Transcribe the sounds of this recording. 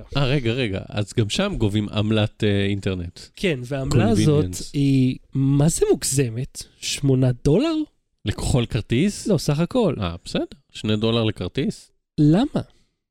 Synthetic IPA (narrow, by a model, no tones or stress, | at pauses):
ʔaʁeɡaʁeɡa̰a̰zɡamʃamɡovima̰mlat̪einteʁnetkʰenveaːmkloaːvizo̞ent̪imazemukzemetʃmo̞nado̞laʁ | leko̥χo̞lkaʁtislo̞saχako̞la̰b̥esedeʁʃnedo̞laʁlekaʁt̪is | lama